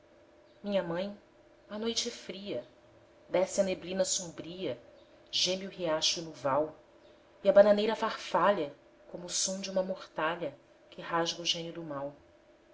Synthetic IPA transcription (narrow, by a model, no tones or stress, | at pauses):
mĩɲɐmɐ̃j̃ | ɐnojt͡ʃɛfɾiɐ | d̪ɛsɪɐneblĩnɐsõbɾiɐ | ʒẽmiʊheaʃʊinuvaw | iɐbananejɾɐfaχfaʎɐ | kõmʊːsõd͡ʒɪũmɐmoχt̪aʎɐ | kʰɪhaʒɡɐuʒẽnud̪ʊmaw